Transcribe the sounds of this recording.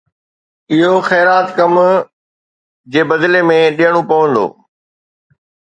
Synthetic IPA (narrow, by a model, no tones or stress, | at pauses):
ɪɦoxɛːɾaːt̪kɐm | d͡ʑeːbɐd̪lemẽɗijəɽ̃opɐʋə̃nd̪o̰ː